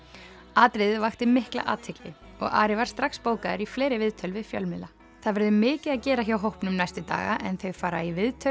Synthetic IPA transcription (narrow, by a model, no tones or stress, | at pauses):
aːt̪ɾɪðvaxt̪ɪmɪhkla̰ʔa̰ːt̪ʰɪklɪ | ɔ̰ɣa̰ːɾɪvaɾ̥st̪ɾaxspoːwkaðɪɾifleːjɾɪvɪðt̪ʰœlvɪðfjœ̰lmɪla | θaðvɛɾðʏmɪːcɪðaðcɛːɾaçjawɦowhpnʏmnajst̪ɪt̪a̰ːɣa̰ʔɛnθœɥfaːɾaivɪðt̪ʰœ